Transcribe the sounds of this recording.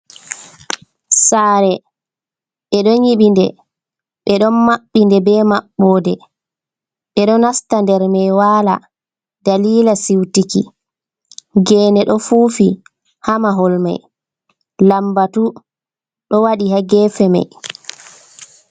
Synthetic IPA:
saːɾɛ | ɓɛɗɔɲiɓindɛ | ɓɛɗɔnmaɓːindɛbɛmaɓːɔːdɛ | ɓɛɗɔnastandɛɾmɛjwaːla̰ | daliːlasiwtikḭ | ɡɛːnɛɗɔfuːfi | hamaɦɔlma̰j | lambatu | ɗɔwaɗihaɡɛːfɛma̰j

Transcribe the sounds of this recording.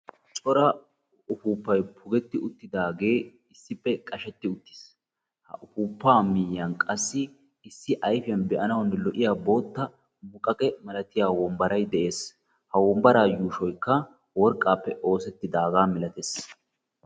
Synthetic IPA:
t͡ʃʼɔɾɐ | ʊfuːpːɐjpʰʊɡɛt̪ːɪʊt̪ːɪd̪aːɡe̞ː | ɪsːɪpːɛkʼɐʃɛt̪ːɪʊt̪ːɪ̥s | hɐ̰ʔʊfuːpːaːmɪjːɐnkʼɐsːɪː | sːɪʔɐjfɪjɐnbɛʔɐnɐwɐnːɛlɔʔɪjaːbo̞ːt̪ːɐ | mʊkʼɐkʼɛmɐlɐt̪ɪjaːwɔmbɐɾɐjd̪ɛʔe̞ːs | hɐwɔmbɐɾaːjuːʃɔjkːɐ | wɔɾkʼːaːpːɛʔo̞ːsɛt̪ːɪd̪aːɡaːmɪlɐt̪es

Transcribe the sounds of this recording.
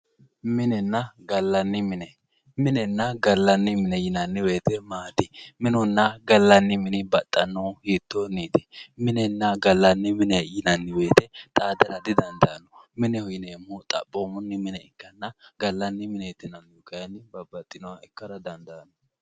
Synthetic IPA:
mɪnɛnːɐɡɐlːɐnːɪmɪnɛ | mɪnɛnːɐɡɐlːɐnːɪmɪnɛjɪnɐnːɪbe̞ːt̪ɛmaːd̪ɪmɪnʊnːɐɡɐlːɐnːɪmɪnɪbɐt̪ʼːɐnːohiːt̪ːoniːt̪ɛ̥mɪnɛnːɐɡɐlːɐnːɪmɪnɛjɪnɐnːɪbe̞ːt̪ɛt̪ʼaːd̪ɐɾɐd̪ɪd̪ɐnd̪ɐnɔmɪnɛhʊjɪnemːʊt̪ʼɐ̰pʼːomʊnːɪmɪnɛɪkːɐnːɐɡɐlːɐnːɪmɪnɛt̪ːɪnɐnjɔkɐjɐnːɪbɐbɐt̪ʼːɪnɔwɐʔɛkːɐɾɐd̪ɐnd̪ɐːnɔ

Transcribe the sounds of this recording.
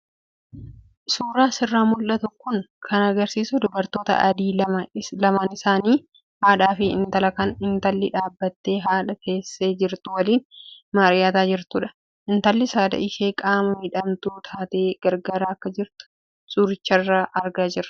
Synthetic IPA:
suːɾaːsɪrːaːmʊlʔɐt̪ʊkːʊŋkʰɐnɐɡɐɾsiːsʊd̪ʊbɐɾt̪o̞ːt̪ɐ̰ʔɐd̪iːɐlɐmaːnɪsaːniː | haːᶑaːfɪɪ̰nt̪ɐlɐkɐnɪnt̪ɐlːɪᶑaːbːɐt̪ːe̞ːɦaːᶑɐk̪e̞ːsːe̞ːd͡ʒɪɾt̪ʊwɐliːnmɐɾɪjaːt̪aːd͡ʒɪɾt̪ʊᶑɐ̥ | ʔɪnt̪ɐlːɪsaːd̪ɐ̰ɪʃe̞ːkʼaːmɐhɪᶑɐmt̪uːt̪ʰaːt̪e̞ːɡ̥ɐɾɡaːɾaːɐkːɐd͡ʒɪɾt̪ʊ̥ | sʼʊɾɪt͡ʃːɐrːaːʔɐɾɡaːd͡ʒɪɾɐ̥

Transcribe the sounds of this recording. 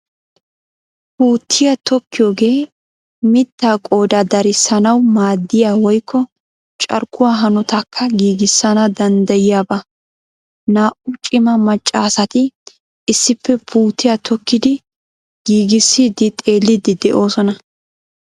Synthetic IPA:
puːt̪ʰːɪjɐt̪ɔkːɪjo̞ːɡe̞ː | mɪt̪ːaːkʼo̞ːd̪ad̪ɐɾɪsːɐnɐwmaːd̪ːɪjaːwɔjkʰːɔ | t͡ʃʼɐ̰ɾkʰːʊwaːɦɐnɔt̪ɐkʰːɐɡiːɡɪsːɐnɐd̪ɐnd̪ɐjɪjaːbɐ | naːʔʊt͡ʃʼɪmɐmɐt͡ʃʼːaːsɐt̪ɪ | ɪsːɪpːɛpʰuːt̪ːɪjat̪ʰɔkːɪd̪ɪ | ɡ̥iːɡɪsːid̪ɪt̪ʼe̞ːlːɪd̪ɪd̪ɛʔo̞ːsɔnɐ

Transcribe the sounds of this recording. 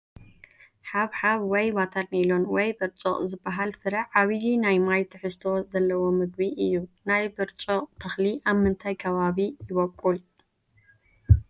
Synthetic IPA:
ħaβħaβwɔjbat̪ʰaɾnilonwɔjbɨɾt͡ʃʼoχʼzɨbːaɦalfɨɾɐʕaβjinajmajt̪ʰɨħɨst̪ʰo̞zɐlːɐwo̞mɨɡbiʔɨjːunajbɨɾt͡ʃʼoqʼt̪ʰɐxliʔaβmɨnt̪ʰajkʰɐβaβijɪβɐkʼːul

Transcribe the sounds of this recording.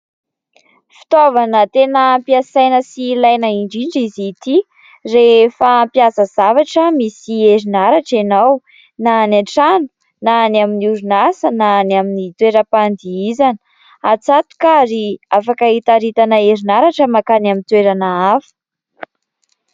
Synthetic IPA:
fi̥t̪ovanət̪enəmpiasajnəsilajnəiɳɖ͡ʐiɳɖ͡ʐizit̪i | refampjasəzavaʈ͡ʂəmisieɾinaɾaʈ͡ʂenaw | nanaʈ͡ʂanu̥ | nanaminiuɾinasənanaminit̪weɾəpand̪iizanə | at͡sat̪u̥kaɾiafakait̪aɾit̪anaeɾinaɾaʈ͡ʂəmakanamint̪weɾanaafu̥

